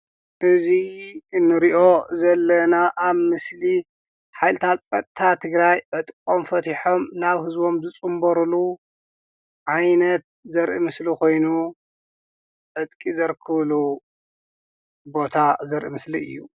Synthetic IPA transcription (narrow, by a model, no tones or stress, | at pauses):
ʔɨziɨnːɨɾiʔo̞zɐlːɐnaʔaβmɨsli | ħajlɨt̪ʰat̪t͡sʼɐt̪ʼt̪ʰat̪ʰɨɡɾajʕɨt̪ʼkʼomfɐt̪ʰiħo̞mnaβhɨzbo̞mzɨt͡sʼɨmbɐɾulu | ʕajnɐt̪̚zɐɾʔḭmɨslikʰo̞jnu | ʕɨt̪ʼkʼizɐɾkʰɨβlu | bo̞t̪ʰazɐɾʔimɨsliɨ̰jːṵ